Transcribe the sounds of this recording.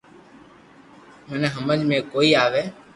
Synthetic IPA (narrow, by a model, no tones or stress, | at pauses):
mənɦəməd͡ʒmẽːkoːiːaːʋeː